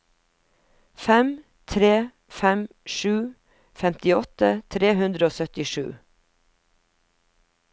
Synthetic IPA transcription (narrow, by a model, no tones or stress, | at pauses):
fɛm | t̪ʰɾeː | fɛm | ʃʉː | fɛmt̪ɪɔt̪ət̪ʰɾeːhʉnd̪ɾəoːsœt̪ɪʃʉ̰ː